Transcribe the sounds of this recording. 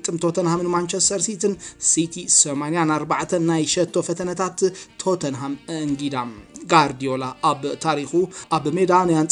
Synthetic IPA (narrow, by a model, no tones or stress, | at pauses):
t̪ʼːɨmt̪ʰo̞t̪ʰɐnhamɨnmant͡ʃest̪ʰɐɾsit̪ʰɨnsit̪ʰisomanijanaɾbaʕt̪ʰɐnːajʃɐt̪ʰːo̞fɐt̪ʰɐnɐt̪ʰat̪ːʰo̞t̪ʰɐnɦamɨɨŋɡid̪amɡaɾd̪ijolaʔaβt̪ʰaɾixuʔaβmed̪anjant͡sʼ